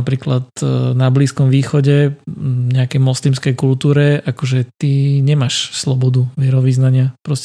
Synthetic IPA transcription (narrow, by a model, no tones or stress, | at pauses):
apɾiːklat̪nabliːskɔmʋiːxɔɟɛɲɛakɛjmɔslimskɛjkult̪uːɾɛakɔʒɛt̪iɲɛmaʃslɔbɔd̪uʋɪɛɾɔʋiznaɲɪapɾɔscɛ